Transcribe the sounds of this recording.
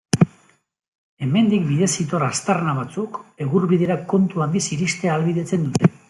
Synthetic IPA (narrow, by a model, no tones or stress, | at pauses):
e̞me̞nd̪ikbiðe̞sit̪o̞rast̪arnaβat͡suke̞ɣuɾβiðe̞ɾako̞nt̪uand̪isiɾist̪e̞aːlβiðe̞t͡se̞nd̪ut̪e̞